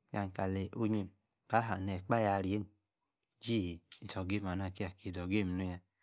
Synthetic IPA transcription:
ja˨ŋ˨ka˨le˨ʔo˦ɲe˨n | b̥a˦ɦa˨nɛ˨k͡pa˦ja˨ɾi˨e˦n | d͡ʒi˦˨dɔ˨ɡe˦m˨a˨na˦˨ki˦a˨ki˨dɔ˨ɡe˦˨m˨nu˦ja˨

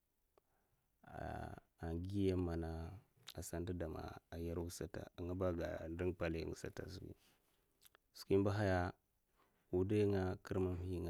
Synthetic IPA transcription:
a̰˨ | a˨ɡi˦ja˦mːa˨na˦ | a˨sa˦n˦di˦da˨ma̰˨a˨ja˦ɾwu˦sa˨ta̰˨ŋa˦ba˦ɡa̰˨ndi˦ŋpa˨lḭ˦˨ŋu˨sa̰˨ta̰˨su˨kḭ˦ | su̥˨ki˦m˦ba˦ɦa˦ja˦ | wu˨da˦ŋa˦kʰi˦ɾma˦mhi˦ŋ˨

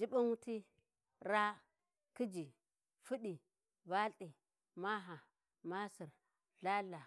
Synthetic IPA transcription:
d͡ʒi˦ɓa˦nwu˦ti˦ | ɾa˦ | ki˦d͡ʒi˨ | fu˦ɗi˨ | ba˦ɬi˨ | ma˦ɦa˨ | ma˦si˨ɾ | ɮa˦la˨

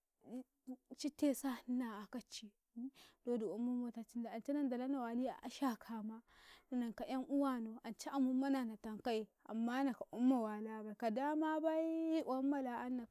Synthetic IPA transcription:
t͡ʃi˦te˦sa˦na˨a˨ka˦t͡ʃːi˨˦ | do˦du˨a˨mːu˦mo˦ta˦t͡ʃi˦nda˨a˨nt͡ʃe˦na˦nda˨la˦na˨wa˨li˦a̰˨ʔa̰˦ʃa˦kʰa˨ma˦ni˦na˨ŋka˨ʔja˦ŋʔu˦wa˦˨no˨a˨nt͡ʃa˦ʔa˨mu˦ma˦na˨na˨ta˨ŋka˦ji˨ | a̰˨mːa˦na˨ka˨ʔu˦mːa˨wa˨la˦ba˨ka˨da˦ma˦ba˦ji˦ʔwa˦mːa˨la˨a˦nːa˨

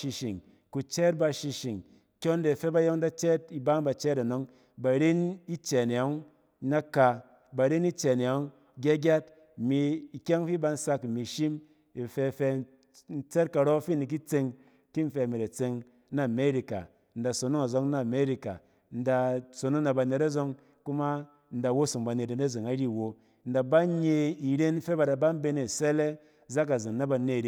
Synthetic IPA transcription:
ʃi˧ʃi˨ŋ | ku˨t͡ʃɛ˦t̚ba˧ʃi˧ʃi˨ŋ | kʲo˦n˦de˨fe˦ba˧jo˦ŋ˦da˦t͡ʃɛ˦t̚i˧˦ba˦ŋ˦ba˧t͡ʃɛ˦ɾa˨no˨˦ŋ | ba˨ɾi˦ni˦t͡ʃɛ˨n˨ja˨˦ŋ˦ | na˦ka˧ | ba˨ɾi˦ni˦t͡ʃe˨n˨ja˨˦ŋ | ɡʲa˦ɡʲa˦t | mi˧i˨kʲa˦ŋ˦fi˦ba˧n̩˦sa˧kmi˨ʃi˦m | i˨fe˧fe˧ | n̩˦t͡se˦t̚ka˨ɾɔ˦fi˦ni˨k̬i˦t͡se˧ŋ | ki˦n̩˦fe˧˨mi˨ɾa˨t͡se˧ŋ | na˦˨me˦ɾi˨ka̰˨ | n̩˨da˨so˨nu˦ŋa˨zɔ˧ŋna˦˨me˦ɾi˦ka̰˨ | n̩˦da˨so˨no˦na˧ba˨ne˨ɾa˦zɔ˧ŋ | ku˦ma˦ | n̩˦da˨wo˦su˨ŋba˨ne˨ta˨na˦˨zɨ˨ŋa˨˦ɾi˦˨wo˨ | n̩˦da˨ba˦ɲe˧i˨ɾe˦n̩˦fe˦ba˨da˨ba˦m̩˦be˧ne˨sɛ˦le˦ | za˦k̬a˨zɨ˨ŋna˦ba˧ne˦˨ɾi˦

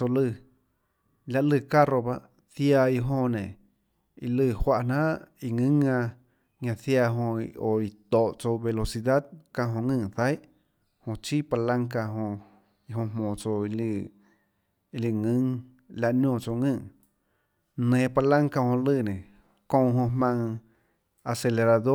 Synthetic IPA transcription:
o˧lɨ˧˨ | lʲa˧ʔlɨ˧˨ka˦ɾo˧ba˧ʔ | θja˧i˧ɦõ˧nẽ˨ | i˧lɨ˧˨hwa˧˦ʔn̥ã˦ʔi˧˨ŋɨ̃˦ŋã˧ | ɲã˧θja˧ɦõ˧o˨i˨t̪ɔ˨ʔt͡so˧be˧lo˧si˧d̪a˦d̪̚kã˧ʔɦõ˧ŋɨ̃ː˧˨θa˦jʔ | hõ˧t͡ʃi˦pa˧lã˦ŋka˧ɦõ˧ | i˧ɦõ˧mõː˨t͡so˧i˧lɨ˧ | i˧li˧˨ŋɨ̃˦ŋ | la˧ʔnõː˧˨t͡so˧ŋɨ̃˦˧˨ŋ | nẽː˨pa˧lã˦ŋka˧hõ˧lɨː˦˧˨nẽ˨ | kõ˧ɦõ˧mã˧ŋ | a˧se˧le˧ɾa˧d̪o˦

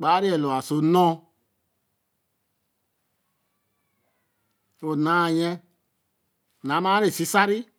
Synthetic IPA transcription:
k͡pa˦ɾi˦ɛ˨lo˨a˨so˨nɔ̃˦ | o˨na˨˦˨jɛ˦˨ | na˨˦ma˦ɾe˨si˦sa˦ɾi˦

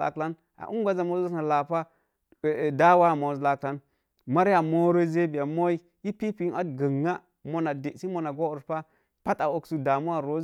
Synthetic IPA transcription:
a̰˨kla˦n | a̰˨ʔu˦ŋ˦ɡʷa˦za˨mo˦a˦sna˨la˨pa˦˨ | da˦wa˦˨mo˨zla˨kla˦n | ma˦ɾja˨mo˦ɾo˦ze˦bi˨ja˨mo˦i˦ | ji˦pi˦pi˦na˦tɡə˨ŋːa˦ | mo˨na˨de˨si˦mo˨na˨ɡo˦u˨ɾpa˦ | pa˦ta˨o˨ksu˦da˨mu˦a˨ɾo˦

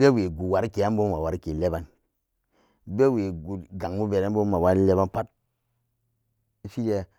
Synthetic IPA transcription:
be˦we˨ɡu˨wa˨ɾke˨a˦bo˦ma˨wa˨ɾke˨le˦ba˦n | be˦we˨ɡu˨ɡa˨ŋmu˦be˨ɾa˦nbo˦ma˨wa˦n˦le˦ba˦npa˦t̚ | i˦fi˦de˦

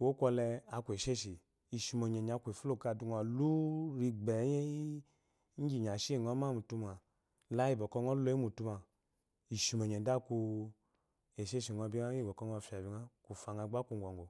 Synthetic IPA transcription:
wo˦kʷɔ˧lɛ˧a˧ke˨ʃe˦ʃi˨ | i˨ʃi˧mo˨ɲɛ˨ɲ˨a˨˧kʷe˨fu˦lo˦˨ka˧˨du˧ŋ˧a˨lu˦ɾi˧ɡ͡bɛ˨˦je˦i˦ | ɲ̩˦d͡ʒi˨ɲ˨a˨ʃe˦˨ŋɔ˦ma˦˨mu˨tu˧ma˨ | la˦i˦˨bɔ˨kɔ˧ŋɔ˦lɔ˧i˦mu˨tu˧ma˨ | i˨ʃi˨mo˨ɲɛ˨da˦ku˧ | e˨ʃe˦ʃi˨ŋɔ˧˦bi˦a˦i˦˨bɔ˨kɔ˧˦ŋɔ˧fa˨bi˧˨ŋa˦ku˨fa˨˧ŋa˧˨˦ɡ͡ba˦ku˧ŋ˨ɡɔ˨ŋɡo˨

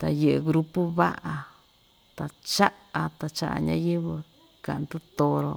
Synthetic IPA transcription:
t̪a˧je˨ʔe˧ɣɾu˧pu˦βa˦ʔa˧ | t̪a˨˧t͡ʃa˦ʔa˧t̪a˧t͡ʃa̰˦ʔa̰˧ɲã˦je˦βɨ˧ | ka˨nd̪u˦t̪o˧ɾo˧

